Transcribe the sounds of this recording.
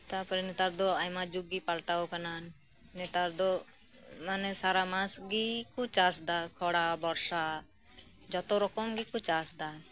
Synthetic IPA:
t̪apɔɾɛnɛt̪aɾd̪ɔajmad͡ʒuɡːipalʈaɔkananː | ɛt̪aɾd̪ɔ | manɛsaɾamãsɡikʰut͡ʃasd̪akʰɔɽabɔɾsa | d͡ʒɔt̪ɔɾɔkɔmɡikʰut͡ʃasd̪a

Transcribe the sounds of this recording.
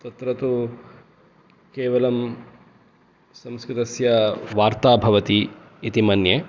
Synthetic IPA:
t̪ɐt̪ɾɐt̪u | keːʋɐlɐm | sɐmskɾɪt̪ɐsjɐʋaːɾt̪aːbʱɐʋɐt̪iː | t̪imɐnje

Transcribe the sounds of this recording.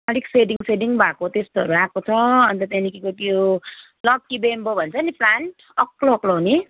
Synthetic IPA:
ʌɽikseɖiŋseɖiŋbʱakot̪est̪oʌɾuakot͡sʰʌʌnt̪ʌt̪enikikot̪ijo | lʌb̚kibembʱobʱʌnt͡sʰʌniplanʈ | ʌkloːklowni

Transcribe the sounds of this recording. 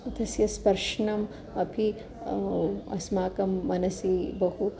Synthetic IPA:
ɐt̪ɐsjɐspɐɾʂɳɐm | ɐpʰi | ɐ̰smaːkɐmːɐnɐsibɐhu

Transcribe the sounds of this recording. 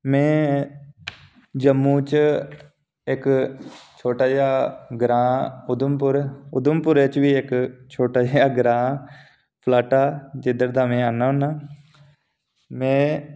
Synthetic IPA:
mɛ̃ː | d͡ʒəmːũːt͡ʃ | ɪk | t͡ʃʰoːʈaːd͡ʒaːɡɾãːʊd̪əmpʊɾʊd̪əmpʊɾeːt͡ʃʋiːɪkt͡ʃʰoːʈaːaːɡɾãː | pʰlaːʈaːd͡ʒɪd̪əɾd̪aːmẽːanaːna | mẽː

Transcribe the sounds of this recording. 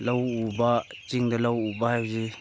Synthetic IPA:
lɐwubat͡ʃiŋdalawubahajbzi

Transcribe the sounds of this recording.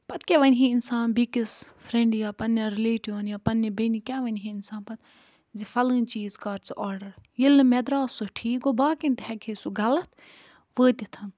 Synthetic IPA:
pɐt̪̚keʋɐnʲɦiinsaːnbikis | fɾẽɳɖjaːpɐnːɐɾileːʈiʋɐnjaːpɐnːibɐnikʲaːʋɐnɦiinsaːnpɐt̪ | zifɐlɨ̃ːnt͡ʃiːzkaːɾt͡siʔɔːɾɖɐɾjilːɨmɛd̪ɾaːsoʈʰiːɡobaːkint̪hɛkʰisuɡɐlɐt̪ | ʋəːt̪ʲit̪ʰɐn

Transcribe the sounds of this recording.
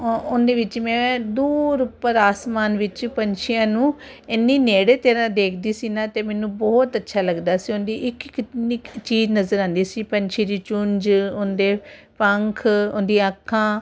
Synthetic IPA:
ʊnd̪eːʋɪt͡ʃmɛ̃ːd̪uːɾʊpəɾaːsmaːnʋɪt͡ʃpəɲt͡ʃʰijãːnũː | enːiːneːɽeːt̪eːɾãːd̪eːkʰd̪iːsiːnãːt̪eːmɛ̃ːnũːbɔːt̪ətːʃʰaːləɡd̪aːsiːʊnd̪iːʔɪkk̪nit͡ʃiːznəzəɾãːnd̪iːsiːpəɲt͡ʃʰeːd̪iːt͡ʃʊɲd͡ʒʊnd̪eː | pəŋkʰʊnd̪iːəkʰːãː

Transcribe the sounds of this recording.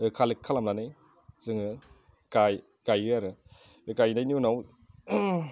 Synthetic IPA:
ɯkʰalikʰːalamlanɯ | zɯŋɯ | kaj | kajɯaɾɯ | kajnajniunaw

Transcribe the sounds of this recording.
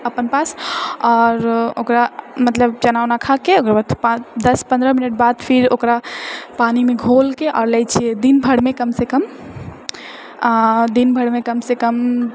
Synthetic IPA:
əpənpasɔɾo̰kɾamət̪ləbt͡ʃənaʋnakʰakeokɾabat̪ʰpãd̪əspə̃nd̪ɾəminəʈ̚bad̪pʰiɾokɾapanimeɡʱolkeʔɔːɾləjt͡ʃʰied̪inbʱəɽmekəmsekəm | ad̪inbʱəɽmekəmsekəm

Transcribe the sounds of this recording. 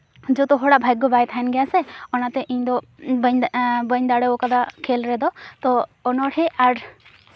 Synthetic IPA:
d͡ʒɔt̪ɔɦɔɽaʔbʱajɡːɔbajt̪ʰaɛnɡɛjasɛɔnat̪ɛʔiɲd̪ɔ | bɲbəɲd̪aɽɔɔkad̪akʰɛlɾɛd̪ɔt̪ɔːnɔʈʰɛʔaɾ

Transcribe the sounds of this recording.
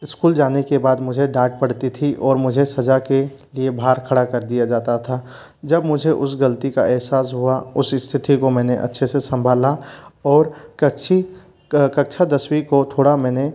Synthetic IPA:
ɪskuːld͡ʒaːnekebaːd̪mʊd͡ʒʱeɖaːʈ̚pɐɽ̤t̪it̪ʰiʔɔːɾmʊd͡ʒʱesɐd͡ʒake | liebʱaːɾkʰɐɽakɐɾd̪ijad͡ʒaːt̪at̪ʰa | d͡ʒɐbmʊd͡ʒʱeʔʊsɡɐlt̪ika̰ʔɛɦsaːsɦuaʊsɪst̪ʰɪt̪ikomɛ̃ːneʔɐ̰tːʃʰesesɐ̃mbʱaːlaɔːɾkɐt͡ʃʰi | kɐk̚t͡ʃʰad̪ɐswikot̪ʰoːɽamɛ̃ːne

